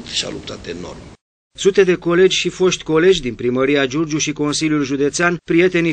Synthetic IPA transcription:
t̪ʃa̰lupt̪ʰat̪eno̰rm | sut̪e̞d̪e̞ko̞le̞d͡ʒʲʃifo̞ʃt̪ʲko̞le̞d͡ʒʲd̪inpɾiməɾiad͡ʒord͡ʒuʃiko̞nsiljulʒud̪e̞t̪seanpɾije̞t̪e̞ni

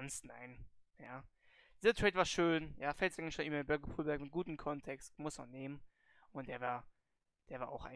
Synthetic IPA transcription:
nstna̰ɪnjaː | d̥iːzɐtʰʁ̥ɛːtv̥aːɐʃøːnjaːfɛltz̥aɡŋnʃanʔɪmɐɪbœɐɡəpʰuːlbɛɐkmɪt̚ɡ̥uːtn̩kʰɔntʰɛkstmʊsma̰nːeːmən | ʔʊnt̚d̥eːɐvaːɐ | d̥eːɐvaːɐʔa̰ʊxʔa̰ɪ

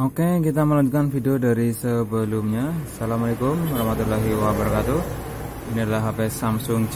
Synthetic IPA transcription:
okekit̪̬aməlaɲd͡ʒukanfidiodaɾisəbəlumɲasalamalekʊmɾahmat̪ulaɦiwabəɾakat̪u | inilaɦapesamsʊŋt͡ʃ

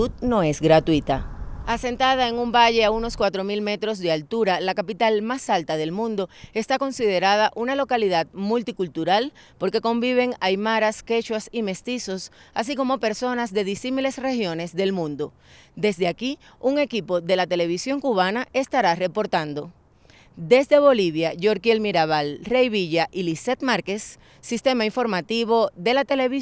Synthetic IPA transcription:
ud̪̚no̞e̞sɡɾat̪wit̪aase̞nt̪aðae̞ŋumbaʝe̞auno̞skwat̪ɾo̞milme̞t̪ɾo̞s̬ðe̞alt̪uɾalakapit̪almasalt̪aðe̞lmũnd̪o̞e̞st̪ako̞nsið̞e̞ɾað̞aʔunalo̞kaliðad̪mult̪ikult̪uɾal | po̞ɾke̞ko̞mbiβ̞e̞ŋajmaɾaske̞t͡ʃwasime̞st̪iso̞sas̬iko̞mo̞pe̞ɾso̞nasd̪e̞ðisimile̞sre̞hjo̞ne̞sðe̞lmũnd̪o̞ | d̪e̞sd̪eaki | uŋe̞kipo̞ðe̞lat̪e̞le̞β̞isjo̞ŋkuβanaʔe̞st̪aɾare̞po̞ɾt̪and̪o̞ | d̪e̞sd̪e̞βo̞liβ̞jaʝo̞ɾkjelmiɾaβalrejβiʝaʔilise̞t̪maɾkesː | ist̪e̞maiɱfo̞ɾmat̪iβ̞o̞ðe̞lat̪e̞le̞βi

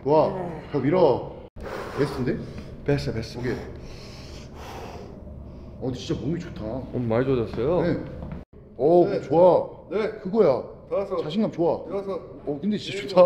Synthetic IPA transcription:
waʌbiɾʌ | pes͈ʰɯnde | pes͈ʌpes͈ɯɡe | ʌt͡ɕint͡ɕ͈amomit͡ɕotʰaʌmaɭd͡ʑod͡ʑʌs͈ʌjone | ʌɯt͡ɕoa | nkɯɡʌjat͡ɕaɕʰinɡamt͡ɕoa | ʌkɯnde̞t͡ɕit͡ɕat͡ɕotʰa

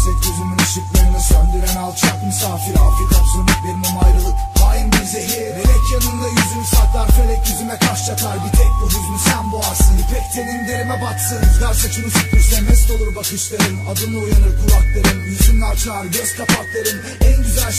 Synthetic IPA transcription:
zɛt̪ɟøzymynʃiklʲeɾinɛsønd̪yɾænalˠt͡ʃʰakmusaːfiɾa̰ɾfet̪ʰamsønlʲiclʲeɾinɛmajɾɯlˠɯphaːjinbiɾzɛɦejeɾɛɛcʰjanɯnd̪ajyzynsak̪lˠaɾfelʲɛyzymɛkʰaʃt͡ʃʰaklˠaɾbit̪ʰɛc̚noɾyzmysænbuaɾsɯnɯpʰɛct̪ʰenind̪iɾemɛbat̪sɯnd̪ʰaɾsat͡ʃʰunusykyʃt̪ʰɛnɛst̪o̞lˠuɾbakʰɯʃlˠaɾɯnad̪ɯnˠɯojanɯɾkʰuɾˠaklˠaɾɯnjyzynʲat͡ʃʰlˠaɾɟøz̥kʰapʰaklˠaɾɯn | ænɟyzælʲ

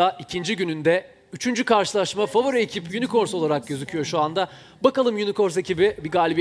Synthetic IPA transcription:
aʔicʰind͡ʒiɟynynd̪ɛ | yt͡ʃʰynd͡ʒykaɾʃɯlˠaʃmafavoɾiecʰipjynikʰo̞ɾso̞lˠaɾak̚ɟø̞zycʰyjo̞ʃuand̪a | bakalˠɯmjyniko̞ɾse̞cibibiɡaːlʲib

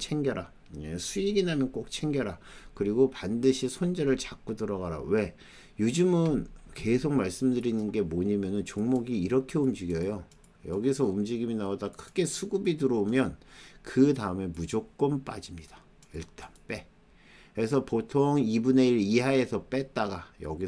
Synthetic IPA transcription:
t͡ɕʰe̞ŋɡjʌɾa | esʰuiɡinɦamjʌnk͈ok̚t͡ɕʰe̞ŋɡjʌɾa | kɯɾiɡopandɯɕʰisʰond͡ʑʌɾɯɭt͡ɕak͈udɯɾʌɡaɾa̰we̞ | jod͡ʑɯmɯnke̞sʰok̚maɭs͈ɯmdɯɾinɯnɡe̞moɲamjʌnɯnt͡ɕoŋmoɡiːɾʌkʰe̞umd͡ʑiɡjʌjo | jʌɡisʰʌumd͡ʑiɡiminaodakʰɯɡe̞sʰuɡubiduɾomjʌnkɯtaɯme̞mud͡ʑok̚k͈ʌnp͈ad͡ʑimɲida | iɭt͈anp͈e̞ | esʰʌpotʰoŋibune̞iɾiɦae̞sʰʌp͈et̚t͈aɡajʌ̰ɡi

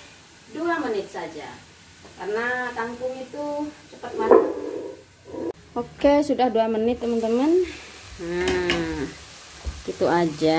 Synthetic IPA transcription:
duamənɪt̪̚sad͡ʒa̰ | karnat̪aŋkʊŋit̪ut͡ʃəpət̪̚mana | okesudahduamənɪt̪ːəmənt̪əmən | ə | kit̪uʔad͡ʒa

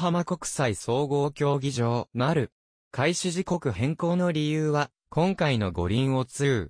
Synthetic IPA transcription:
ɦamako̞kɯ̟̥saiso̞ːɡo̞ːkʲo̞ːɡʲiʑo̞ːmaɾɯ̟ | kʰaiɕɨʑiko̞kɯ̟hẽ̞ŋko̞ːno̞ɾʲijɯːβa | kõ̞ŋkaino̞ɡo̞̰ɾʲĩɰ̃o̞t͡sɨɯː

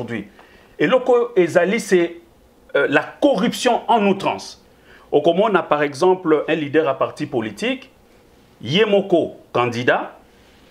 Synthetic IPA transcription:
d̪ɥi | elokoezalisɛ | lakɔʁypsjɔ̃ɑ̃nut̪χɑ̰̃s | okomɔ̃napaʁɛɡzɑ̃plʔɛ̃lid̪ɛʁapaʁt̪ipolit̪ik | jemokokɑ̃d̪id̪a

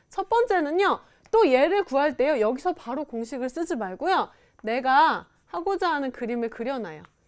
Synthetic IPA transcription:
t͡ɕʰʌt̚p͈ʌnt͡ɕ͈e̞nɯɲjo | t͈oje̞ɾɯɭkuɦaɭt͈e̞jojʌɡisʰʌpaɾokoŋɕʰiɡɯɭs͈ɯd͡ʑimaɭɡojo | ne̞ɡa | haɡod͡ʑaɦanɯnkɯɾimɯɭkɯɾjʌnajo

